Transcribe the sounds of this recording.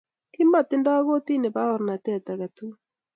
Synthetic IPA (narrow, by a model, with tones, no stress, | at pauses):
kɪ˦ma˨tɪ˦nda˦ɣo˦ti˦ne˨pa˦ɔ˨ɾna˨tɛ˦˨ta˨ɣa˨tu˦